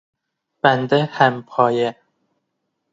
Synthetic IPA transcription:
b̥ænd̪ehæmpʰɒːje

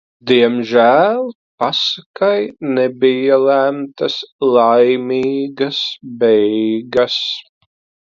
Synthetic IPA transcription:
d̪iɛmʒæːlˠ | pasakajnɛbijalæmt̪ɐslˠajmiːɡɐsbɛjjɡas

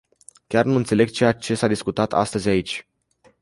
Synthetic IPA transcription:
kʲarnuɨnt̪se̞le̞ɡ̚t͡ʃe̞jat͡ʃe̞sad̪iskut̪at̪ʰa̰st̪əzʲait͡ʃʲ

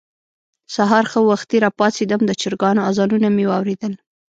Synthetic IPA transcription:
saɦɑɾxəwaxt̪iɾɑpɑt͡sid̪əmd̪ət͡ʃɪɾɡɑnoazɑnunamewɑwɾed̪əl

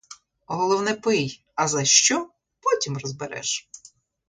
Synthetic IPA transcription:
ɦɔlˠɔwnɛpɪj | ɐzɐʃt͡ʃɔ | pɔtʲimrɔzbeɾɛ̰ʃ

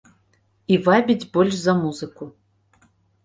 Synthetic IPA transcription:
ivabʲid͡zʲbɔlʲʂzɐmuzɨku

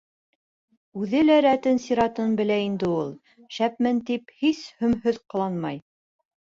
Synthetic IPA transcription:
ʉðɘlæɾæt̪ɘnsiɾɑt̪ɤnbɘ̆læind̪ɘulˠ | ʃæp̚mɘnt̪iphishɵ̆mɦɵðqɤ̆lˠɑnmɑj

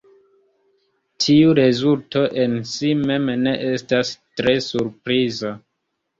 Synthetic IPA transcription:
tʰiuɾe̞zulto̞ʔe̞nsime̞mne̞ʔestastɾe̞suɾpɾiza

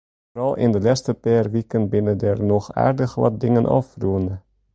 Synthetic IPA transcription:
vrɑlˠʔɪ̰ndəlɛstəpɛrʋikənbɪnədɛrnɔxa̰ːrdəxlɑ̰t̚dɪŋənʔɑ̰fruəndə

